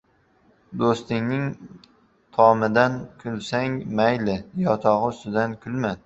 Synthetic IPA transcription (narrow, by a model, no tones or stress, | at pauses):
d̪ost̪ɪŋnɪŋ | t̪ʰɒmɪd̪ankʰʊlsaŋmajlɪjɒt̪ʰɒʁɨʊst̪ɪd̪ankʲʰʊlman